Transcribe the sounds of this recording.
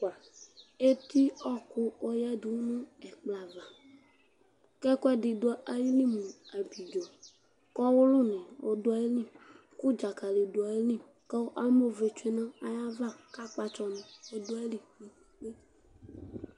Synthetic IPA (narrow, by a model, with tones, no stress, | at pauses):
ka˨ | e˦t̪i˦ɔ˦kʊ˦o˦ja˦du˨wu˦nũ˦ɛ˨k͡pla˨va˨ | kɛ˦kɔ˦ɛ˦di˨do˨˦a˦a˦ji˦lĩ˦mũ˨a˨bi˨d͡ʒɔ˨ | kɔ˦wo˦lo˦nɛ̃˨wo̰˦do˦a˦e˦lĩ˦ | ku˦d͡ʒa˨ka˨le˨do˨a˨e˦lĩ˦ | kɛ˦wo˦ʔa˦mo˦ve˨t͡ʃe˦nã˦a˨ja˦va˦ka˦k͡pa˨t͡ʃɔ˦nẽ˨wo˦do˦a˦e˦li˨ki˦k͡pe˦˨